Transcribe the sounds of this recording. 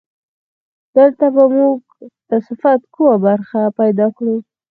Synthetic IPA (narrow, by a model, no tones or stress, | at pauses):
d̪̥əlt̪abamuɡ̚ | d̪̥əsɪfat̪kəwabaɾxapajd̪ɑkɽu